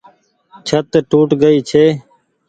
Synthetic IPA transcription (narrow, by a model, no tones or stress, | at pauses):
t͡ʃʰət̪ʈuːʈɡəiːt͡ʃʰeː